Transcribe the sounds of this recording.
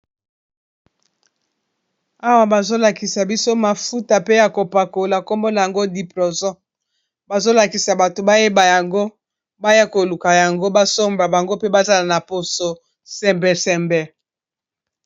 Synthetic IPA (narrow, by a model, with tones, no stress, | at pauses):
a˦wa˨ba˨zo˦la˨ki˨sa˨bi˦so˦ma˨fu˦ta˨pe˦ja˨ko˨pa˨ko˨la˨ko˦mbo˦la˨ja˨ŋɡo˦di˨po˨zɔ̃˦ | ba˨zo˦la˨ki˨sa˨ba˨to˨ba˦je˦ba˨ja˨ŋɡo˦ | ba˦ja˦ko˨lu˨ka˨ja˨ŋɡo˦ba˦so˦mba˨ba˨ŋɡo˦pe˦ba˦za˦la˨na˨po˨so˨ | sɛ˨mbɛ˨sɛ˨mbɛ˨